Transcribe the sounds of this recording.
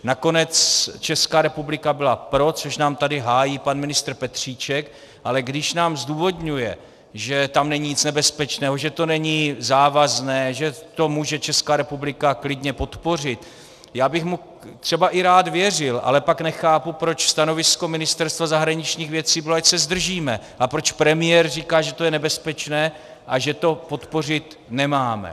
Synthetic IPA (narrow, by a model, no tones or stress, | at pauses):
nako̞nɛt͡st͡ʃɛskaːɾɛpublɪkabɪlapɾo̞t͡so̞ʃnaːmt̪adɪɦaːjiːpanmɪnɪst̪ɾ̩pɛt̪r̝̥iːt͡ʃɛk | ʔalɛɡdɪʃnaːmzduːvo̞d̪ɲujɛ | ʒɛt̪amnɛɲiːɲɪt͡snɛbɛspɛt͡ʃnɛːɦoʒɛt̪o̞nɛɲizaːvaznɛːʒɛt̪o̞muːʒɛt͡ʃɛskaːɾɛpublɪkaklɪdɲɛpo̞t̪po̞r̝ɪt̪ | jaːbɪxmu | t̪r̥ɛbaʔɪɾaːt̪vjɛr̝ɪlʔa̰lɛpaknɛxaːpupɾo̞t͡ʃst̪ano̞vɪsko̞mɪnɪst̪ɛɾst̪vazaɦɾaɲɪt͡ʃɲiːxɣvjɛt͡siːbɪloacsɛzd̪r̩ʒiːmɛ | ʔapɾo̞t͡ʃpɾɛmɪjɛɾriːkaːʒɛt̪o̞jɛnɛbɛspɛt͡ʃnɛː | ʔaʒɛt̪o̞po̞t̪po̞r̝ɪt̪ | nɛmaːmɛ̰